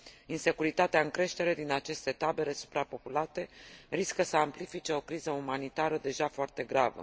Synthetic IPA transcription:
inse̞kuɾit̪at̪eaɨŋkɾe̞ʃt̪e̞ɾe̞d̪inat͡ʃe̞st̪e̞t̪abe̞le̞su̥pɾapo̞pulat̪e̞riskəsəamplifit͡ʃe̞o̞kɾizəumanit̪aɾəd̪e̞ʒafoart̪e̞ɡɾavə̰

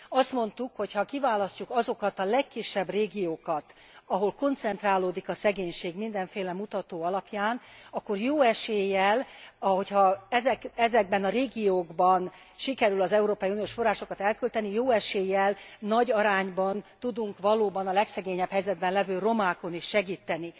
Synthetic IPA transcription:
ɒst̪mo̞n̪t̪ukho̞chɒkivaːlɒscukɒzo̞kɒt̪ɒlɛkːiʃːɛbreːɡijoːkɒt̪ | ɒɦo̞lko̞nt̪sɛnt̪raːloːd̪ikɒsɛɡeːɲʃeːɡmind̪ɛɱfeːlɛmut̪ɒt̪oːɒlɒpjaːnɒkːo̞rjoːɛʃeːjːɛlɒɦo̞chɒɛzɛkɛzɛɡ̚bɛnɒɾeːɡijoːɡbɒn | ʃikɛɾylɒzɛuɾoːpɒjunioːʃfo̞rːaːʃo̞kɒt̪ɛlkylt̪ɛnijoːɛʃeːjːɛlnɒɟɒɾaːɲbɒnt̪ud̪uŋkʋɒloːbɒnɒlɛksɛɡeːɲɛphɛjzɛd̪̚bɛnlɛvøːro̞maːko̞niʃːɛɡiːt̪ːɛni

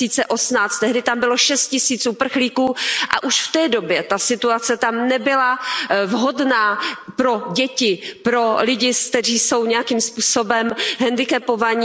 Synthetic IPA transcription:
iːt͡sɛʔo̞snaːt͡st̪t̪ɛɦdɪt̪ambɪloʃɛst̪̚cɪsiːt͡sʔupr̩xliːkuːʔa̰ʔuʃft̪ɛːdobjɛt̪asɪt̪uat͡sɛt̪amnɛbɪlavɦo̞dnaːpɾo̞ɟɛcɪpɾo̞lɪɟɪskt̪ɛriːso̞wɲɛjakiːmspuːso̞bɛmɦɛndɪkɛpovaɲi

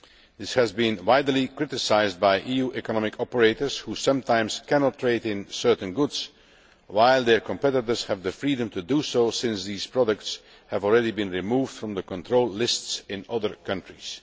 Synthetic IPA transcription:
ðɪshæzbĩnwaɪdlikɹɪtɪsaɪzd̚baɪʔijuʔɛkənɑmɪkʰɔpəɹeɪtə˞z̥husʌ̃mtʰãɪ̃mskʰænɑtʰːɹeɪɾɪ̃nsɜ˞tn̩ɡʊdz̥ | waɪlˠd̪ə˞kɔ̃mpɛtɪtə˞z̥hævðəfɹiːdə̃mtudusoʊsɪ̃nsðiːz̥pɹɑdək̚ts | hævɔl̩ˠɹɛɾibĩnɹimuːvd̥fɹɔ̃mðəkɔ̃ntʰɹoʊlˠlɪstsɪ̃nʌðə˞kʰʌ̃ntɹiz̥

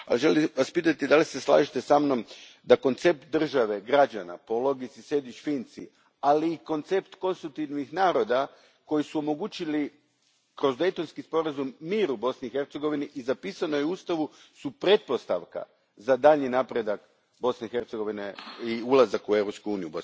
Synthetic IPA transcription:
a̰liʒe̞liʋaspiːt̪at̪id̪alise̞slˠa̰ːʒit̪esamno̞m | d̪ako̞nt̪se̞p̚t̪̚d̪r̩ʒaʋe̞ɡɾad͡ʒana̰po̞lo̞ɡisise̞d̪ʋit͡ʃfint̪sḭ | aliːko̞nt̪se̞pt̪ko̞nst̪ɾut̪iʋnixnaːɾo̞d̪a | ko̞jisuo̞mo̞ɡuːt͡ɕili | kɾo̞zd̪e̞jt̪onskispo̞ɾazumːiːɾubo̞sniixe̞ɾt̪seɡo̞ʋiniʔizapiːsano̞jeust̪aʋusupɾe̞t̪̚po̞st̪a̰ʋka̰ | zad̪aʎɲinaːpɾe̞d̪ak | bo̞sneixe̞ɾt̪seɡo̞ʋineiulˠazakue̞vɾopskuuːnijubo̞sn

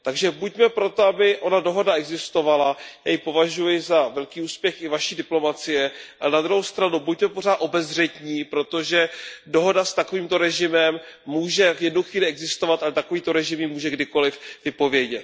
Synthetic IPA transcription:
t̪aɡʒɛbucmɛpɾo̞t̪o̞abɪʔo̞nado̞ɦo̞daɛɡzɪst̪o̞valajajɪpo̞vaʒujɪzavɛlkiːuːspjɛxɪvaʃiːdɪplo̞mat͡sɪjɛʔʔa̰lɛnad̪ɾuɦowst̪ɾanubuc̚mɛpo̞r̝aːt̪ʔo̞bɛzr̝ɛt̪ɲiːpɾo̞t̪o̞ʒɛdo̞ɦo̞dast̪ako̞viːmt̪o̞ɾɛʒɪmɛmːuːʒɛvjɛdnowxviːlɪɛɡzɪst̪o̞vat̪ʔalɛt̪ako̞viːt̪o̞ɾɛʒɪmjiːmuːʒɛɡdɪko̞lɪfvɪpo̞vjɛɟɛt̪

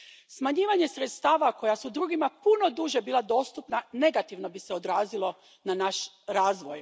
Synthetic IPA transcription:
smaɲiːʋaɲe̞sɾet̪st̪aːʋako̞jasud̪ɾuːɡimapuno̞d̪uʒe̞biːlad̪o̞st̪upnane̞ɡat̪iʋno̞biseod̪ɾaːzilo̞ | nanaʃ | ɾaːzʋo̞j

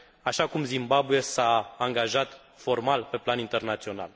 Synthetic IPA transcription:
aʃakumzimbabujesaːŋɡaʒat̪ | fo̞rmalpe̞planint̪e̞rnat̪sio̞na̰l

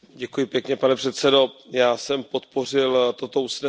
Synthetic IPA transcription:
ɟɛkujɪpjɛkɲɛpanɛpr̝̥ɛt̪sɛdo̞jaːsɛmpo̞t̪po̞r̝ɪlt̪o̞t̪ousnɛ

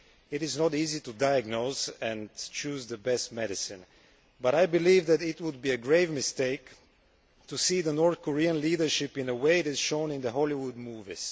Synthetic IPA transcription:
ɪɾɪznɔtizitudaɪjəɡnozɛ̃nt͡ʃuːzðəbɛst̚mɛɾɪsɪ̃n | baɾajbɪliːvðæɾɪtwʊd̪̚biɨɡɹeɪvmɪst̪eɪk | tusiðənɔɹθkʰɔɹiə̃nliːdəɹʃɪpɪ̃nəweɪɪɾɪz̥ʃõʊ̃nɪ̃nðəɦɔliwʊd̪̚muvḭz̥

